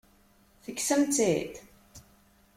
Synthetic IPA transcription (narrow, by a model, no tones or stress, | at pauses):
θəkːsəmt͡sit̪